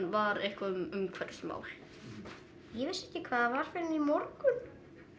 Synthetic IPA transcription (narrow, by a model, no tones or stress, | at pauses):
nvaɾɪhkvaʏmʏmkʰvɛt̪sma̰wlɪ | jɛvɪsːɛ̥hcɪkʰvaːðavaɾ̥fɪɾɪnimɔɾkʏð